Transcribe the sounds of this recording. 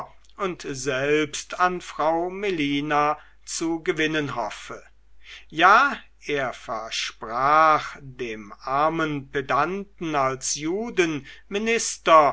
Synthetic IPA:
ʔʊntzɛlpstʰanfʁ̥aʊmeliːna | t͡suɡəvɪnənɦɔfə | jaː | ʔeːɐfɛɐʃpʁ̥aːχdeːmʔaɐmənpedantn̩alsjuːdənmɪnɪstɐ

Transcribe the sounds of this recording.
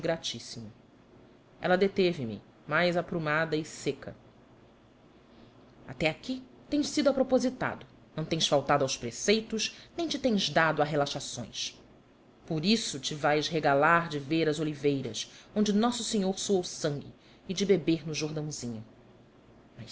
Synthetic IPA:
ɡɾat͡ʃisimʊ | ɛ̰lɐd̪et̪evɪmɪ̰ | majzapɾumad̪ɐisekɐ̰ | a̰t̪ɛaki | t̪ẽj̃ʃsid̪ʊapɾopozit̪a̰d̪ʊ | nɐ̃w̃t̪ẽj̃sfawt̪ad̪ʊawspɾesejt̪ʊznẽj̃t͡ʃɪt̪ẽj̃zd̪ad̪ʊaɦelaʃasõ̰j̃s | poɾisʊt͡ʃɪvajzɦeɡalaɾd͡ʒɪveɾɐzolivejɾɐ̰sõnd͡ʒɪnɔsʊseɲoɾsoɐwsɐ̃ŋɡʲɪ̰ | ɪd͡ʒɪbebeɾnʊʒoɾd̪ɐ̃w̃zĩɲʊ | mɐ

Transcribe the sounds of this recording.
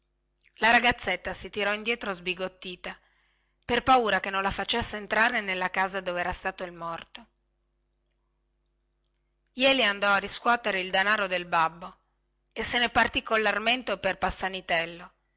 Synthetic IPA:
laɾaɡat̪sːet̪ːasit̪iɾɔind̪jɛːt̪ɾozbiɡot̪ːiːt̪a | perpauːɾakenːõnlafat͡ʃesːeːnt̪ɾaːɾenelːakaːzad̪oveɛːɾast̪aːt̪oilmɔrt̪o | jɛːliand̪ɔarːiskwɔt̪eɾeild̪anaːɾod̪elbabːo | esːenepart̪ikːolːarment̪eperpasːanit̪ɛlːo

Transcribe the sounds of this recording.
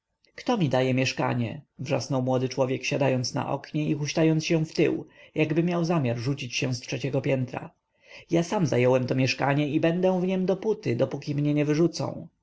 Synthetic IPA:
kt̪ɔmʲid̪ajɛmʲjɛʂka̰ɲɛ̰vʐa̰snɔwmwɔd̪ɘt͡ʂwɔvʲjɛkɕad̪ajɔnt̪sna̰ʔɔ̰kɲɛixuɕt̪ajɔnt̪ɕɛ̃ft̪ɘ̰wjaɡbɘmʲjawzamʲjaɾʐut͡ɕit͡ɕɕɛ̃stʂɛt͡ɕɛɡɔpʲjɛnt̪ɾa̰ | jasamzajɛwɛmt̪ɔmʲjɛʂka̰ɲɛibɛnd̪ɛw̃vɲɛmd̪ɔput̪ɘd̪ɔpukʲimɲɛɲɛvɘʐut̪sɔ̰̃w̃

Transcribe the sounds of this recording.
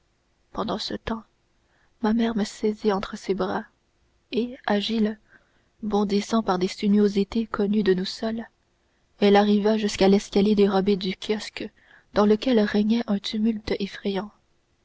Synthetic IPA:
pɑ̃d̪ɑ̃sət̪ɑ̃ | mamɛːʁməsɛziɑ̃t̪χəsebʁa | eaʒil | bɔ̃d̪isɑ̃paʁd̪esynjozit̪ekʰɔnyd̪ənusœl | ɛlaʁivaʒyskalɛskʲaljed̪eʁɔbed̪ykʲʰjɔsk | d̪̥ɑ̃ləkʲɛlʁɛɲɛʔɛ̃t̪ʰymylt̪efχɛjɑ̃

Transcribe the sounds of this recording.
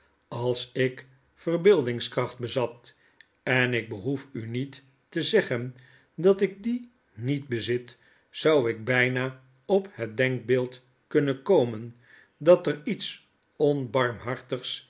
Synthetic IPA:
ɑlˠsɪk | fərbɪlˠdɪŋskrɑχt̚bəzɑp̚ | ɛnɪɡ̚bəɦufynitː | əzɛχən | dɑtɪk̚di | nit̚bəzɪt | sʌwɪɡ̚bɛjnaː | ɔpɦət̚dɛŋk̚beːlˠt | kɵnənkowmən | dɑtərits | ɔnbɑɹmɦɑɹtəχs

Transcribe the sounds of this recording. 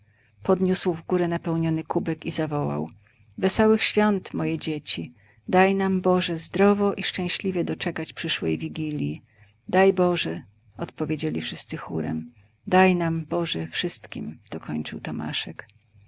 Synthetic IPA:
pɔd̪ɲuswvɡuɾɛnapɛwɲɔnɘkubɛkizavɔwa̰w | vɛsɔwɘxɕfʲjɔnt̪mɔjɛd͡ʑet͡ɕi | d̪ajnambɔʐɛzd̪ɾɔvɔʔiʂt͡ʂɛ̃w̃ɕlʲivʲjɛd̪ɔt͡ʂɛkat͡ɕpʂɘʂwɛ̰jvʲiɡʲilʲji | d̪ajbɔʐɛ | ɔt̪pɔvʲjed͡ʑelʲifʂɘst̪sɘxṵɾɛ̰m | d̪ajnambɔʐɛfʂɘst̪kʲḭmd̪̥ɔkʰɔɲt͡ʂɘwt̪ɔma̰ʂɛk

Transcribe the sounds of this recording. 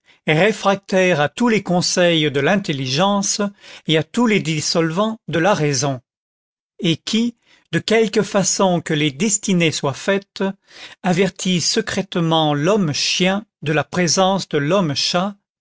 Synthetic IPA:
ʁefχak̚t̪ɛʁat̪ulekɔ̃sɛjd̪əlɛ̃t̪eliʒɑ̃seat̪uled̪isɔlvɑ̃d̪əlaʁezɔ̃ | ekʲʰi | d̪əkʲɛlkəfasɔ̃kəled̪ɛst̪ineswafɛt̪ | avɛʁt̪ʰisəkχɛt̪mɑ̃lɔmʃjɛ̃d̪əlapχezɑ̃sd̪əlɔmʃa

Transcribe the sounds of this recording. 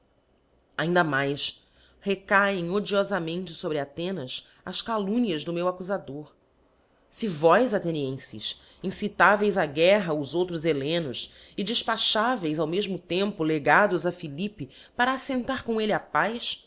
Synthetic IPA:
aĩnd̪ɐmajs | hekajẽj̃od͡ʒiɔzɐmẽnt͡ʃɪsobɾɪat̪ẽnɐs | ɐskalũniɐzd̪ʊmewakuzad̪oɾ | sɪvɔjzat̪eniẽsɪ̰ʃ | ĩsit̪avejzaɡɛɦɐʊzowt̪ɾʊzelẽnʊs | ɪd͡ʒɪʃpaʃavejzawmeʒmʊt̪ẽmpʊleɡad̪ʊzɐfilipɪ | paɾaːsẽnt̪aɾkõelɪapajs

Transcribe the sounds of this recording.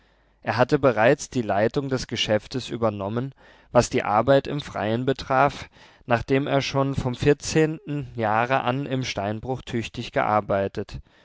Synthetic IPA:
ʔeːɐɦatəbəʁaɪt͡sd̥iːlaɪtʊŋdɛsɡ̥əʃɛftəsʔy̰ːbɐnɔmən | vasd̥iːʔa̰ɐbaɪtɪ̰mfʁ̥a̰ɪənbətʁ̥aːf | naːχd̥eːmḛːɐʃoːnfɔmfɪɐt͡seːntn̩jaːʁəʔanʔɪmʃtaɪnbʁʊχtʰʏçtɪçɡ̥ə̰ʔa̰ɐbaɪtət

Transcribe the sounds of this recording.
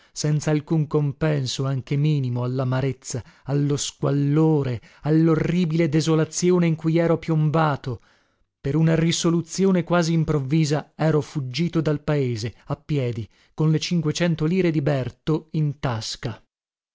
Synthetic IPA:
sɛnt̪saːlkuŋkompɛnsoaŋk̟emiːnimoalːamaɾet̪sːaalːoskwalːoːɾe | alːorːiːbiled̪ezolat̪sjoːneiŋkujɛːɾopjombaːt̪o | peɾunarisolut̪sjoːnekwaːziːmpɾovːiːzaɛːɾofud͡ʒːiːt̪od̪alpaeːzeapːjɛːd̪i | konlet͡ʃiŋkwet͡ʃɛnt̪oliːɾed̪ibɛrt̪oint̪aska

